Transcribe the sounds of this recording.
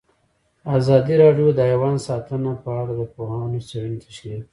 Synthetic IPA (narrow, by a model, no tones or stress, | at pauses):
ɑzɑd̪iɾɑɖjod̪əajwɑnsɑt̪ənapəaɽad̪əpohɑnosaɽənt̪ʰaʃe